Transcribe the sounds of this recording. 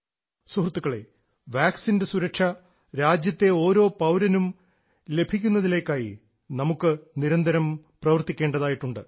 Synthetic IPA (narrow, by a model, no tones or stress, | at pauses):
suhrt̪ːukːɐɭe̞̰ | ʋaːksindesuɾɐkʂɐ | ɾaːd͡ʑjɐt̪ːe̞o̞ːɾo̞ːpɐwɾɐnum | le̞bʱikʲːunːɐðile̞ːkːaːjḭ | nɐmukːɨniɾɐnd̪ʱɐɾɐmprɐʋɐrt̪ːikʲːe̞ːɳɖɐðaːjiʈːuɳɖɨ